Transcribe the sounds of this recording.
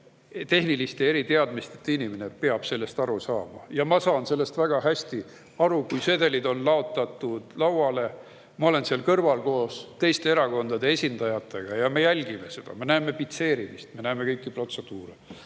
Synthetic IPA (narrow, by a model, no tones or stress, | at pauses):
t̪e̞hnilist̪ee̞ɾit̪e̞ɑd̪̥mist̪e̞̥t̪ːinimenepeɑb̥se̞lːe̞st̪ɑɾusɑːmɑjɑmɑsɑːnse̞lːe̞st̪væɡ̥ɑɦæsʲt̪i | ɑɾukujse̞ːd̪e̞lid̪o̞nlɑot̪ːˑɑt̪ːˑud̪̥lɑwɑle̞ | mɑo̞le̞nseɑlkɤrvɑlko̞ːst̪e̞jst̪e̞eɾɑko̞nd̪̥ɑd̪e̞e̞sʲind̪ɑjɑt̪ːˑe̞ɡ̥ɑjɑme̞jælʲɡ̥ime̞se̞d̪̥ɑ̰me̞næeme̞pit̪se̞ːɾimist̪me̞næːmekɤjkːipro̞t̪se̞d̪̥uːɾe